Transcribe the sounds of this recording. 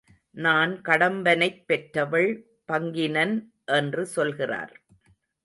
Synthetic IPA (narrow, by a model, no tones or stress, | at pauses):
naːnkɐɽɐmbɐnɐɪpːɛʈɾɐʋɐɭ | pɐŋɡɪnɐn | ʔɛndrɯsɔlɣɪra̰ːɾ